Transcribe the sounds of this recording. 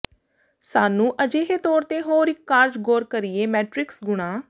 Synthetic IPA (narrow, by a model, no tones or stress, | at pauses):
saːnũːʔəd͡ʒeːɦeːt̪ɔːɾt̪eːɦoːɾɪkːaːɾd͡ʒɡoːɾkəɾɪːeːmɛːʈɾɪksɡʊɽ̃aː